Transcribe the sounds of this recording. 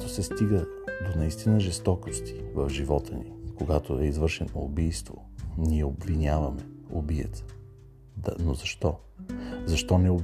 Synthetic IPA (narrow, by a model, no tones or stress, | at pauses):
t̪osɛst̪iɡə | d̪onɐist̪inəʒɛst̪ɔkost̪i̥vɐvʒivɔt̪ənikoɡat̪oɛizvɤɾʃɛnoːbijst̪vo̰ | niɛobvinʲavɐmɛobiɛ̰t̪sɛ̥ | d̪ɐnozɐʃt̪ɔ | zɐʃt̪ɔnɛob